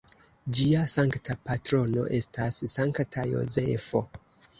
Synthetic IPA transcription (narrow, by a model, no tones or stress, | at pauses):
d͡ʒiasaŋktʰapatɾo̞no̞̰ʔe̞stassaŋktʰajo̞̰ze̞fo̞